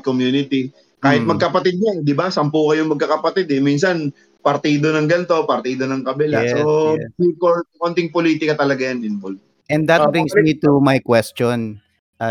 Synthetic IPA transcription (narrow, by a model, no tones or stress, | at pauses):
komjuːnɪt̪i | kaːhɪt̪̚mɐɡ̚kɐpɐt̪ɪd̪̚ɐɛd̪ɪbasɐmpuːkɐjʊŋmɐɡ̚kɐkɐpɐt̪ɪd̪ɛminsɐn | pɐɾt̪iːd̪onɐŋɡɐnt̪o̞pɐɾt̪iːd̪onɐŋkɐbɛlaɛsoikokont̪ɪŋpoliːt̪ɪkɐt̪ɐlɐɡajɐnɪnbol̚ | ʔɛ̃nd̪d̪ɐt̚bɹĩŋsmit̪umajkwɛst͡ʃɔn | ʔɐ